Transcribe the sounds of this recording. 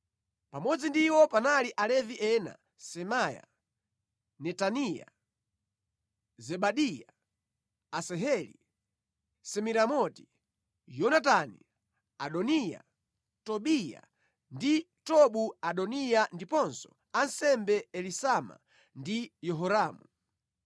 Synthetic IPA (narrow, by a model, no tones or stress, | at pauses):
pamɔd͡zindiwɔpanaliʔalɛviʔɛna̰ | sɛmaja̰ | nɛtanija̰ | zɛɓaɗija | asɛɦɛlḭ | sɛmiɾamɔti̥ | jɔnatanḭ | aɗɔnija̰ | tɔɓija̰ | ndi | tɔɓuaɗɔnijandipɔnsɔ̥̰ | ansɛmbɛɛlisama̰ | ndijɔɦɔɾaːmu